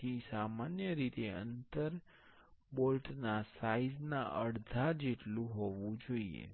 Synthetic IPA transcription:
isamanjəɾit̪eə̰nt̪əɾ | bolʈnasaiznaʔəɽd̪ʱad͡ʒeʈlũɦoʋũd͡ʒoiḛ

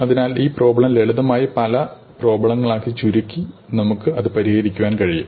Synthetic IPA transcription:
ɐðinaːliːpro̞ːbɐɭɐmleɭuðɐmaːjipɐlɐ | pro̞ːbɐɭɐŋːɐɭaːkːit͡ɕuɾukʲːinɐmukːɨɐðɨpɐɾihɐɾikʲːuʋaːnkɐɻijṵm

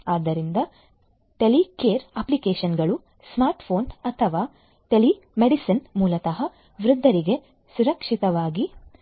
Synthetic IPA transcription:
aːd̪ɐɾind̪ɐ | ʈelikeːɾɐplikeːʃɐnɡɐɭu | smaːɾʈpʰoːnɐt̪ʰɐʋaː | ʈeli | meɖisɐnmuːlɐt̪ɐɦɐ | ʋɾud̪ʱːɐɾiɡe̞ | suɾɐkʂit̪ɐʋaːɡi

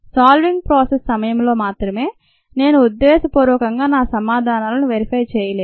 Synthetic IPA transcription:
saːlʋiŋɡ̚pɾaːsessɐmɐjɐmlo̞ːmaːt̪ɾɐme̞ː | ne̞ːnuud̪ːeːsɐpuːɾɔːkɐŋɡaːnaːsɐmaːd̪ʱaːnaːlɐnuʋeɾipɐːjt͡ʃɛːjɐleːd̪

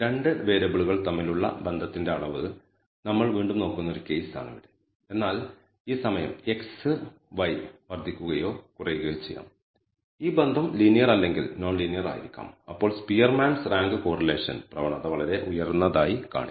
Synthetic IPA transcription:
ɾe̞ɳɖɨʋe̞ːɾɐbiɭuɣɐɭt̪ɐmːiluɭːɐ̰be̞nd̪ʱɐt̪ːinde̞ɐɭɐʋɨ | nɐmːɐɭʋiːɳɖumno̞ːkːunːo̞ɾuke̞jsa̰ːɳiʋɐɽɨ | e̞nːaːl | iːsɐmɐjɐ̰me̞ksɨ | ʋɐjʋɐrd̪ʱikʲːuɣɐjo̞ːkurɐjuɣɐjot͡ɕḛjːa̰ːm | iːbend̪ʱɐmlinijɐrɐlːe̞ŋɡilno̞ːnlinijɐra̰ːjiɾikʲːa̰ːmɐpːo̞ːɭspijɐrmaːnsraːŋɡɨko̞ːrɐle̞ːʂɐ̰nprɐʋɐɳɐðɐʋɐɭɐɾe̞ʔujɐrnːɐðaːjika̰ːɳi

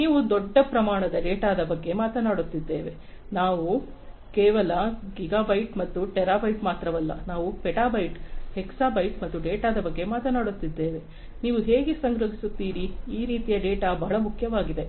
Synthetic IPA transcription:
niːʋud̪ɔɖːɐpɾɐmaːɳɐd̪ɐɖeːʈaːd̪ɐbɐɡːe̞maːt̪ɐnaːɽut̪ːid̪ːe̞ːʋe̞ | naːʋu | keːʋɐlɐɡiɡaːbɐjʈmɐt̪ːuʈɛɾaːbɐjʈmaːt̪ɾɐʋɐlːɐ̰naːʋupeʈaːbɐjʈhɛksaːbɐjʈmɐt̪ːuɖeːʈaːd̪ɐbɐɡːe̞maːt̪ɐnaːɽut̪ːid̪ːe̞ːʋe̞ | niːʋuɦe̞ːɡesɐŋɡɾɐɦisut̪ːiːɾiːɾiːt̪ijɐɖeːʈaːbʱaɦɐɭɐmukʰjɐʋaːɡid̪e̞

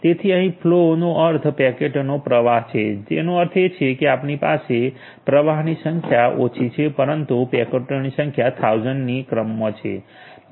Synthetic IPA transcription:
t̪et̪ʰiəɦĩpʰlonoʔəɾt̪ʰpɛkeʈnopɾəʋaɦt͡ʃʰed͡ʒḛnoəɾt̪ʰet͡ʃʰekeapnipa̰se | pɾəʋaɦnisəŋkʰjaʔot͡ʃʰit͡ʃʰepəɾənt̪upɛkəʈnisə̃ŋkʰjat̪ʰawd͡ʒənːikɾəmːət͡ʃʰḛ

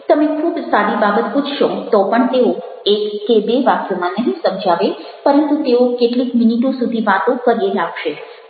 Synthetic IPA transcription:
t̪əmẽkʰubsaɾibabət̪pud͡ʒʰʃot̪opəɳt̪eo | ekːebeʋakjomãnəɦĩsəmd͡ʒʱaʋe | pəɾənt̪ut̪eokeʈlikminiʈõsud̪ʱiʋat̪õkəɾelaɡʃe

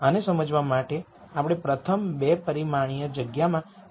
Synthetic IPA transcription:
ənesəməd͡ʒʋamaʈe | apɽ̃epɾət̪ʰəmbepəɾimaɽ̃ijəd͡ʒəɡjamã

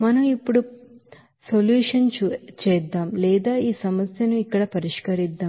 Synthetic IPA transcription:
mɐnɐmipːuɽu | soljuːʂɐnt͡ʃɛːd̪ːaːmlɛːd̪aːiːsɐmɐsjɐnuikːɐɽɐpɐɾiʂkɐɾid̪ːaːm

